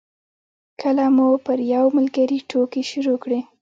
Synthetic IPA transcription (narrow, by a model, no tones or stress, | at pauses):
kʰəlamupəɾjawməlɡaɾiʈʰokiʃʊɾokɽi